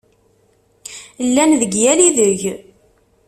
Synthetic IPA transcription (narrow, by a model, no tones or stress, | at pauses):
lːænðəɡjæliðəʝ